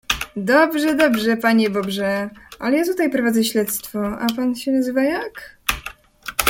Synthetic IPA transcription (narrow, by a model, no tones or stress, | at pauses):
d̪ɔbʐɛd̪ɔbʐɛpaɲɛbɔbʐɛʔalɛjat̪ut̪ajpɾɔvad̪zɛɕlɛt̪st̪fɔapanɕɛnazɘvajak